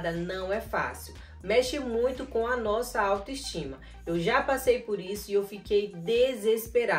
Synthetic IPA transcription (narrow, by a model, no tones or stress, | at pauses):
d̪ɐnɐ̃w̃ɛfa̰siw | mɛʃɪmũj̃t̪ʊkõw̃ɐnɔsɐawt̪ʊiʃt͡ʃĩmɐ | ewʒapasejpoɾisʊiewfikejd̪ezespeɾa